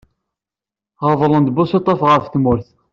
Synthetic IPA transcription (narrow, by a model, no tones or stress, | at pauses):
ʁəvˤlˤənd̪bʊset̪ˤːɑfʁəɾfθmʊɾθ